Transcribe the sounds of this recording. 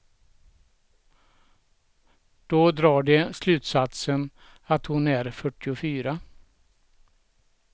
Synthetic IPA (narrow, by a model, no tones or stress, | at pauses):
d̪̥oːd̪ɾɑːɖɛslʉ̟ːt̪sat̪sən | at̪hʊnæɾfœʈːɪʊfyːɾa